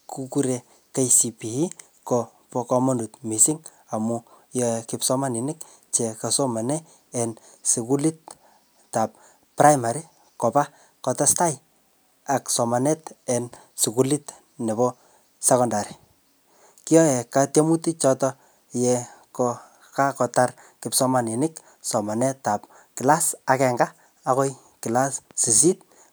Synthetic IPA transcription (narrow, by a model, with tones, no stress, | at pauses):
kuku˦ɾe˨ | ke˦jsi˨pi˨i˦ | kɔ | pɔ˧kɔ˧mɔ˦ndu˨tmi˨siŋ | a˨mu˨jɔ˦ɛkɪpsɔ˦ma˦ni˨nɪ˦k | t͡ʃe˨ka˨sɔ˦ma˨nɛ˦ | ɛ˨n | su˨ku˦li˦t̚ | ta˨p̚ | pra˦jma˨ɾi | kɔ˨pa˦ | kɔ˨tɔ˦sta˦j | a˨ksɔ˨ma˨nɛ˦tɛ˨n | si˨ku˨lit | nɛ˨bɔ˦ | se˦kɔ˦nda˨ɾi˨ | ki˦jɔ˦jɛ˨ka˦te˦mu˦ti˦t͡ʃɔ˦tɔ | jɛkɔ | ka˦kɔ˨ta˦r | kɪ˨psɔ˦ma˨ni˨nɪk | sɔ˨ma˨nɛ˦ta˨p | ki˨la˦sa˨kɛ˨ŋɡaː˦ | kɔ˦j | ki˨la˦ssi˨s̬i˦t̚